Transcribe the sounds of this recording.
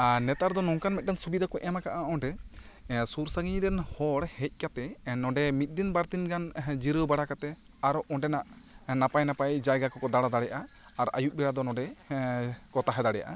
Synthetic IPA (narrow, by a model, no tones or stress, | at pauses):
nɛt̪aɾd̪ɔnɔŋkanmɛt̪̚dɛnsubid̪ʱakɔʔɛmakaʔaɔɳɖɛ | suɾsaɡiɲdɛnhɔɽhɛc̚ˀkat̪ɛnɔɳɖɛmit̪̚ˀd̪inbaɾt̪inɡand͡ʒiɾəbaɽakat̪ɛ | aɾɔʔɔɳɖɛnaʔnapajnapajd͡ʒajɡakɔkɔd̪aɽad̪aɽɛjʔaː | ɾʔa̰juʔ̚bɛɽad̪ɔnɔ̃ɖɛ | kɔt̪aɦɛd̪aɽɛja̰ʔa̰